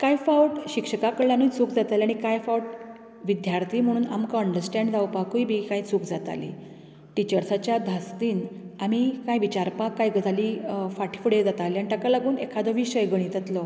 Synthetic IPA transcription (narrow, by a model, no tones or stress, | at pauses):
kajfawʈɕikʂəkakəɽljanut͡suːkd͡zat̪alaɽ̃ikajfawʈ | ʋid̪jaɾt̪ʰiːm̤əɽ̃uːna̰mkaəɳɖəɾsʈɛ̃ɳɖd͡zawpakujbikait͡sukd͡zat̪a̰lḭ | ʈit͡ɕəɾsat͡ɕjad̪ʱast̪iːnamikajʋit͡ɕaɾpakːajɡət̪alifaʈʰi̥fuɽed͡zat̪alianiʈakalaɡuːnekʰad̪əʋiɕəjɡəɽ̃it̪ət̪lɔ